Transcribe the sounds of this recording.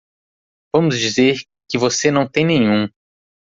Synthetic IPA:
vɐ̃mʊzd͡ʒizeɾ | kɪvosenɐ̃w̃t̪ẽj̃nẽjɲũ

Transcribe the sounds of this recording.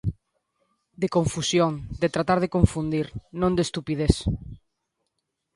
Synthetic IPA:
d̪ekõɱfusjõŋd̪et̪ɾat̪aɾðekõɱfund̪iɾnõnd̪est̪upið̞eθ

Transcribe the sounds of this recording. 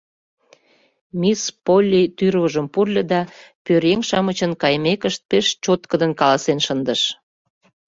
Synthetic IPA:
mispolʲːit̪yrβəʒəmpurlʲə̆d̪ɑpøɾeŋʃɑmət͡ɕənkɑjmekəʃt̪̚peʃt͡ɕot̪kəd̪ənkɑlɑsenʃənd̪əʃ

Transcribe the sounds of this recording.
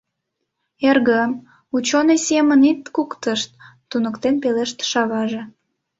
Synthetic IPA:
erɣəm | ut͡ɕonesemənit̪kukt̪əʃt̪ː | unəkt̪enpeleʃt̪ʃɑβɑʒe

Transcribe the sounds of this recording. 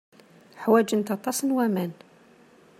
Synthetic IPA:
ħwæd͡ʒənt̪ɑt̪ˤɑsnwæmæn

